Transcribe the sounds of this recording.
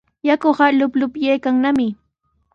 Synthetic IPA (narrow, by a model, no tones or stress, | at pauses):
jakoχalʊplʊpjejkaŋnamɪ